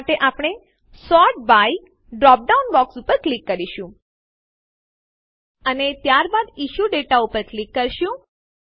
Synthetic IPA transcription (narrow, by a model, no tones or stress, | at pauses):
ʈeʔapɽ̃e | sɔʈ̚baji | ɖɾɔp̚ɖaunbɔksupəɾklikːəɾiʃũ | ənet̪jaɾbad̪iʃuɖeʈaupəɾklikːəɾʃũ